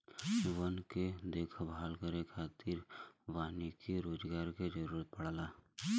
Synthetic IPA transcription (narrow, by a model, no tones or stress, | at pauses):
ʋənked̪eːkʰbaːlkəɾekʰaːt̪ɪɾʋaːnikiɾoːd͡ʒɡaːɾked͡ʒəɾuːɾət̪̚pəɽlaː